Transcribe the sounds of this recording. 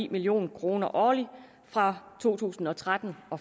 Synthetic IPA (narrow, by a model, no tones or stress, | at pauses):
ḭːmilio̝̰ːnkʰʁo̝ːnɐʔɒːli | fʁɑ̈t͡sʰo̝̰ːt͡sʰṵːsn̩ɒ̽t͡sʰʁad̥n̩ɒ̽